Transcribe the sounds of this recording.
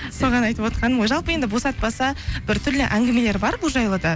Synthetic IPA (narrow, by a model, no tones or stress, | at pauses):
so̞ʁɑnɑjt̪əpwo̞t̪qʰɑnəmojʒɑlˠpəje̞nd̪ɪbo̞sɑt̪̚pɑsɑbɪɾt̪ʰʏɾlɪʔæŋɡʲɪme̞le̞ɾbɑɾbʊlˠʒɑjlˠəd̪ɑ